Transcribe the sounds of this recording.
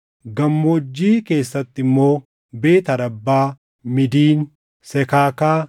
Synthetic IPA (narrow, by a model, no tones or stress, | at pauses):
ɡɐmːoːd͡ʒːiːke̞ːsːɐt̪ːɪmːo̞ː | be̞ːt̪ɐɾɐbːaː | mɪd̪iːn | sɛkaːkaː